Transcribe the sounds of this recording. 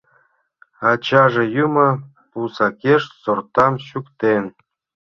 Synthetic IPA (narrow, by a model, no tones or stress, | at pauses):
ɑt͡ɕɑʐejumɑ | pusɑkʲeʃsort̪ɑmɕukt̪en